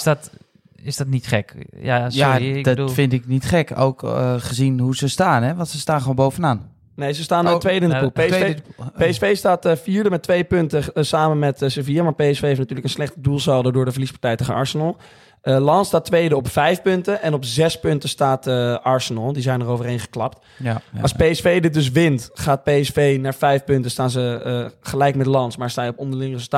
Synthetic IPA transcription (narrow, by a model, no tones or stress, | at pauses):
t | ɪsdɔtnitχɛkjajadtfɪntɪk̚nitχɛko̰wkχəzinɦuzəstaːnɛʋɑ̃ntsəstaːnχonbowvənaːn | nejzəstaːnntʋejdəɪndəulˠ | peɛsfejstaːtfiːɹdəmɛtːʋejpɵntəsaːmənmɛtsəviamaːɹpejɛsfejeɪftnatyːɹləkənslɛχtədulˠsɛlˠdədʊːɹdəvərlispaɹtɛjtəχəɑ̰ɹsənəlˠ | lɑnstaːtʋejdəɔpfɛjfpɵntənʔɛnɔpzɛspɵntəstaːtɑɹsənɑlˠdizɛjnərowvərɦejnχə̥klɑp̚t | ɑspejɛsfejdɪt̚dɵs̬ʋɪntχaːt̚pejɛsfejnaːɹvɛjfpɵntənstaːnzəχəlɛjk̚mɛdəlɑnsmaːɹstaːjɔpɔndəɹlɪŋərezəlˠta